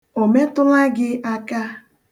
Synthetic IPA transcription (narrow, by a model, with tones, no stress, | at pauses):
o˨me˦tʊ˦la˦ɡɪ˦ʔa˦ka˦